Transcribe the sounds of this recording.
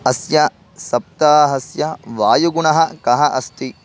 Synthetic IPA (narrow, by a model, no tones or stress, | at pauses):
ɐsjɐ | sɐp̚t̪aːɦɐsjɐʋaːjuɡuɳɐɦɐkɐɦɐʔɐst̪i